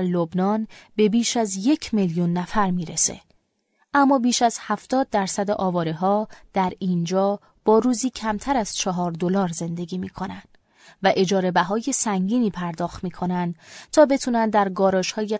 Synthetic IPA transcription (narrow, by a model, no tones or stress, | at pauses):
ɾlobnɒːnbe̞biːʃæzje̞cʰmeljunːæfæɾmiːɾesḛ | ʔæmːɒːbiːʃæz̥hæft̪ɒːd̪̚ːæɾsæd̪eʔɒːvɒːɾeɦɒːd̪̥æɾind͡ʒɒː | b̥ɒːɾuːziːcʰæmt̪ʰæɾæz̥t͡ʃʰɒɦɒːɾd̪o̞lɒːɾze̞nd̪e̞ɡiːmiːkʰo̞nænd̪̥ | væʔe̞d͡ʒɒːɾe̞bæɦɒːje̞sæŋɟiːniːpʰæɾd̪ɒːxt̪miːkʰo̞nænd̪t̪ʰɒːbe̞t̪ʰunænd̪æɾɡɒːɾɒːʃhɒːje̞